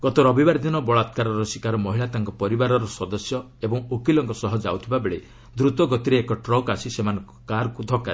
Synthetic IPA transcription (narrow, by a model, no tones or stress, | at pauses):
ɡɔt̪ɔɾɔbibaɾd̪inɔbɔɭat̪kaɾɔɾɔsikaɾɔmɔɦiɭat̪aŋkɔpɔɾibaɾɔɾɔsɔd̪ɔsjɔ | ebɔŋokilɔŋkɔsɔɦɔd͡ʒa̰wt̪ʰibabeɭe | d̪ɾut̪ɔɡɔt̪iɾeːkɔʈɾɔkasisemanɔŋkɔkaɾɔkud̪ʱɔkaɾi